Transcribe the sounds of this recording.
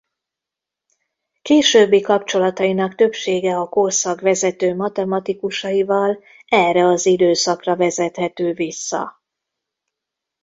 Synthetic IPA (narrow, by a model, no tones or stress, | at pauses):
keːʃøːbːikɒpt͡ʃo̞lɒt̪ɒinɒkt̪ø̞pʃeːɡɛɒkorsɒɡʋɛzɛt̪øːmɒt̪ɛmɒt̪ikuʃɒivɒl | ɛrɛɒzid̪øːsɒkrɒvɛzɛt̪hɛt̪øːvisːɒ̰